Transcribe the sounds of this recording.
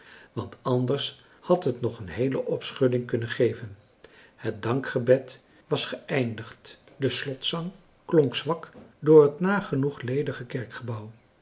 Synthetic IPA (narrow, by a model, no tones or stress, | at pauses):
ʋɑntɑndəɹs | hɑtɦətnɔχənɦejləʔɔpsχɵdɪŋkɵnənχejvən | hət̚dɑŋkχəbɛt | ʋɑsχəɛjndəχt | dəslɔtsɑŋ | klɔŋksʋɑkdʊːɹɦətnaːχənuχlejdəχəkɛɹkχəbʌw